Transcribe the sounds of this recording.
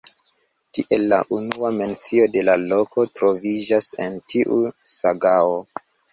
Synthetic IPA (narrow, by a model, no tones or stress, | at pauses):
tiʔelːa̰ʔunuame̞nt͡sio̞de̞lalo̞ko̞tɾo̞vid͡ʒase̞̰ntʰiʔusaɡao